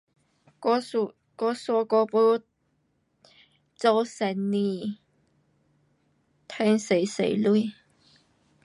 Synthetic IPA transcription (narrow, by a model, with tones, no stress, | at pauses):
kː | kɔ˧sɔ˧kɔː˧pu˧˥ | t͡so˧wsɛ˨˧˥nni˨˧˩ | t̪ʰɛː˥ŋse˨˥jsḛ˨˥jlu˥˧